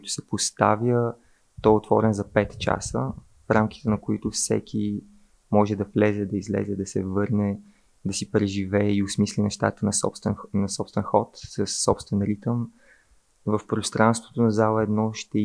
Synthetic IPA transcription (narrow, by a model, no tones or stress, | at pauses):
koit̪ʊ̥sɛpost̪a̰vjə | t̪ɔɛot̪vɔɾɛnzɐpɛt̪t͡ʃa̰sə | fɾamki̥t̪ɛnɐkoit̪ʊfsɛ̰kʰʲi | mɔʒɛd̪ɐvlɛzɛd̪ɐizlɛ̰zɛd̪ɐsɛ̰vɤɾnɛ | d̪ɐsipɾɛʒivɛːiʊsmislʲinɛʃt̪a̰t̪ənɐpst̪vɛnnɐsɔpst̪vɛnxɔt̪səsːɔpst̪vɛnɾit̪əm | vəfpɾost̪ɾanst̪vo̥t̪onɐzalˠəɛd̪nɔʃt̪ɛ